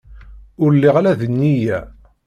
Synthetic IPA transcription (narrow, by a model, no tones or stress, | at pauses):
ʊɾlːiʁlæðənːijæ